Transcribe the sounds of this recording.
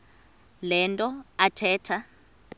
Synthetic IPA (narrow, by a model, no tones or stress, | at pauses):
lɛntʼɔatʰɛːtʰa